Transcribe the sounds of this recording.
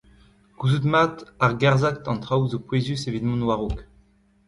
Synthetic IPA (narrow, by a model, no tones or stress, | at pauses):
kuzut̪mat̪aʁɡaʁzak̚t̪ɑ̃nt̪χawzopwezysevid̪mɑ̃nwaʁok